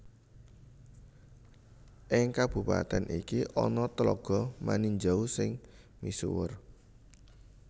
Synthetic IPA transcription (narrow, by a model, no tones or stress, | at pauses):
ʔɪŋkab̥upa̰t̪ɛnʔikiʔɔ̰nɔt̪əlɔɡ̥ɔ̤maniɲd͡ʒausɪŋ | misṵwər